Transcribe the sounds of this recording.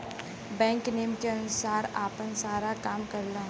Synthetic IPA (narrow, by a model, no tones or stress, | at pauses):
bɛ̃ːŋkneːmkeənʊsaːɾa̰ːpənsaːɾakaːmkəɾlaːɦ